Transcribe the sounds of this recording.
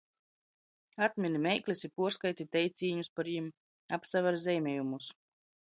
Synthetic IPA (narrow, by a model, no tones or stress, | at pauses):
at̪mʲinimʲɛjklʲesipuɔɾskajt̪ʲit̪ɛj̪sʲiːɲuspaɾjim | apsavʲɛɾzʲɛjmʲɛjumus